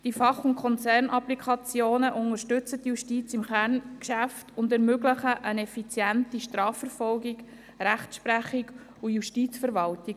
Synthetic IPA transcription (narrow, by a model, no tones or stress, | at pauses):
d̥ifɑχʊntkʰɔnt͡sɛrnʔɑplikʰɑt͡sjoːnəʔʊŋəʃtʏt͡sətjuʃtiːt͡sɪmχærnkʃæftʊndɛɾmøɡləχəʔənɛfit͡sjæntiʃtɾɑːfəɾfɔlɡɪk | ɾæχtsʃpræχɪɡ | ujuʃtiːt͡sfəɾʋɑltɪɡ